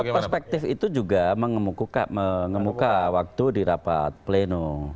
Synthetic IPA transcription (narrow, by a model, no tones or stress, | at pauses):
pərspɛk̚t̪ɪfit̪ud͡ʒuɡaməŋəmukukaməŋəmukawak̚t̪udiɾapa̰t̪̚pleno